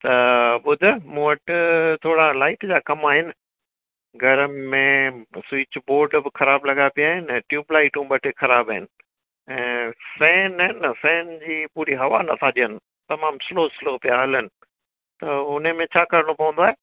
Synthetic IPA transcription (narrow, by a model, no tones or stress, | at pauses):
t̪ɐɓʊd̪ʱʊmũʋɐʈɪt̪ʰoːɽalaːɪʈd͡ʑaːkɐmaːɦɪnɪ̆ | ɡʱɐɾəmẽswɪt͡ɕboːɾɖbɪxʰɐɾaːblɐɡapijaːɦɪnɛ̃ːʈjuːblaːɪʈũɓɐʈʰɪxɐɾaːbaːɦɪnɪ̆ | ɛ̃ːsɛ̃ːnɐɦɪnsɛ̃ːnd͡ʑiːpuːɾiɦɐʋanɐt̪ʰaʄijənɪ̆ | t̪ɐmaːmsɪloːsɪloːpijaɦɐlənɪ̆ | t̪ɐʊn̤əmẽt͡ɕʰaːkɐɾəɽ̃opɐʋə̃nd̪oaːɦeː